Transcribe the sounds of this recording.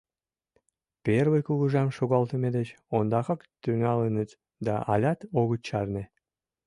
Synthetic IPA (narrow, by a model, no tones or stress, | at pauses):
perβəjkuɣuʒɑmʃoɣɑlt̪əmed̪ət͡ɕ | ond̪ɑxɑkt̪yŋɑlənət̪ | d̪ɑ̰ʔɑ̰lʲɑt̪oɣət͡ɕːɑrne